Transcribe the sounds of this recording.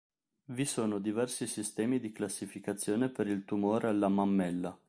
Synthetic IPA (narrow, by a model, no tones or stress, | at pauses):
visoːnod̪ivɛrsisist̪ɛːmid̪iklasːifikat̪sːjoːnepeɾilt̪umoːɾealːamamːɛlːa